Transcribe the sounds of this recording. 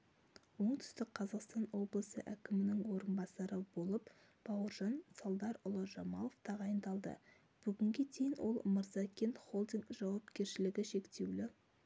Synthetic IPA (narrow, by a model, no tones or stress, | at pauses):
wo̞ɴt̪ʰʏ̥st̪ɪk̚qʰɑzɑqst̪ɑnwo̞blˠəsə̰ʔækʲɪmɪnɪŋwo̞ɾənbɑsɑɾəbo̞lˠəp | b̥ɑwəɾʒɑnsɑlˠd̪ɑɾʊlˠəʒɑmɑlˠoft̪ʰɑʁɑjənd̪ɑlˠd̪ə̰ | b̥ʏɡʲɪŋɡʲe̞d̪e̞jɪnwʔo̞̰lˠməɾzɑkʲʰe̞nt̪χo̞lˠd̪ɪŋkʒ̥ɑwɑp̚kʲe̞ɾʃɪlɪɡʲɪʃe̞kt̪e̞wlɪ